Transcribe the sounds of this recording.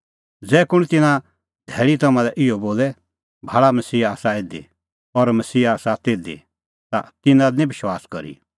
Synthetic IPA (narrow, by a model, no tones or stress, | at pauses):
d͡zɛːkʊɽ̃t̪ɪnã | d̪ʱɛːɭit̪ɐmãlɛʔɪɔboːlɛ | bʱaːɭamɐsiːaːsaeːd̪ḭ | ɔɾmɐsiːaːsat̪eːd̪ḭ | t̪a̰t̪ɪnãnĩbɪʃwaːskɔ̰ɾḭ